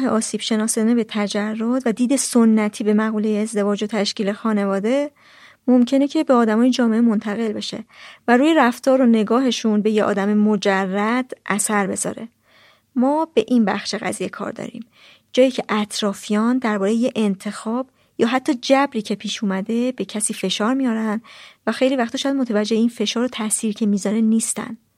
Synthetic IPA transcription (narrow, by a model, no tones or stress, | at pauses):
ɦeʔɒːsiːb̥ʃe̞nɒːsenebe̞t̪ʰæd͡ʒærːod̪væd̪iːd̪e̞sonːæt̪ʰiːbe̞mæɣuːlejeːzd̪e̞vɒːd͡ʒo̞t̪ʰæʃciːle̞xɒːne̞vɒːd̪e̞ | momcʰe̞ne̞cʰe̞beɒːd̪æmɒːjed͡ʒɒːme̞ʔemo̞nt̪ʰæɣe̞lbe̞ʃḛvæɾuːjeɾæft̪ʰɒːɾo̞ne̞ɡɒːɦe̞ʃunbe̞jeʔɒ̰ːd̪æmemod͡ʒærːæd̪̥ʔæsæɾbe̞zɒ̰ːɾe̞ | mɒːb̥e̞ʔinbæ̰xʃe̞ɣæ̰ziːjekʰɒ̰ɾd̪ɒ̰ːɾḭːm | d͡ʒɒːjiːcʰe̞ʔæt̪ʰɾɒːfijɒːnd̪æɾbɒːɾe̞jejeʔent̪ʰe̞xɒːb̥ | jɒːɦæt̪ʰːɒːd͡ʒæbɾiːcʰe̞pʰiːʃumæd̪e̞be̞cʰæsiːfe̞ʃɒːɾmijɒːɾænd̪væxe̞jliːvæxt̪ɔʃjæd̪mot̪ʰævæd͡ʒːe̞heiːnfe̞ʃɒːɾot̪ʰæsiːɾcʰe̞miːzɒːɾe̞niːst̪æ̰n